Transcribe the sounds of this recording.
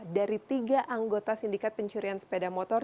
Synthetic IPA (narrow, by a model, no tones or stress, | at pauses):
daɾit̪iɡaʔaŋɡot̪asindikat̪̚pəɲt͡ʃuɾianspedamɔt̪ɔr